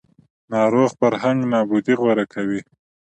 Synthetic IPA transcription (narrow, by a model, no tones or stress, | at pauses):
nɑɾoɣfaɾhaŋɡnɑbud̪iɣwaɾakʰawi